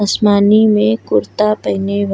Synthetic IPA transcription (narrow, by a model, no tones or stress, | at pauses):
əsmaːnimẽkʊɾt̪apɐɦneʋ